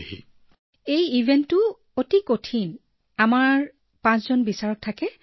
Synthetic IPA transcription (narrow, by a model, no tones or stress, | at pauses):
ḭ | ejibʱentːʊ | otikotʰin | amaɹ | pãszɔnbisaɹɔk̚tʰakɛ